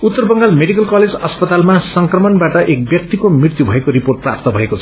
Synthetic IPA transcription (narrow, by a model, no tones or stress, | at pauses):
ut̪ːʌrbʌŋɡalmeɽikʌlkʌled͡zʌspʌt̪almasʌŋkrʌmʌnbaʈʌʔek̚bjʌkt̪ikomrirt̪jubʱʌekoɾiporʈ̚pra̰p̚t̪ʌbʱʌekot͡sʰʌ̥